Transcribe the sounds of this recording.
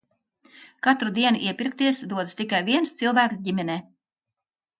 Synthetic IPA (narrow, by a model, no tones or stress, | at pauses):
kat̪ɾud̪iɛnṵʔiɛpʲiɾk̚t̪iɛsd̪uɔd̪ɨst̪ikajviɛnst̪silˠvæːksɟimʲɛnʲɛː